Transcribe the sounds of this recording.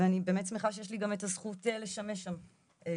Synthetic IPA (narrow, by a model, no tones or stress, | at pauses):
eanibeːmetsmeχaʃejeʃ̬liɡametazχutele̞ʃameʃam | e